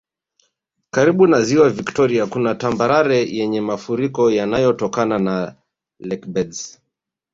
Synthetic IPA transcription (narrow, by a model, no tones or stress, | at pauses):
kaɾiɓunaziwaviktɔɾiakunatambaɾaɾɛjɛɲɛmafuɾikɔjanajɔtɔkanana | lɛkbɛdz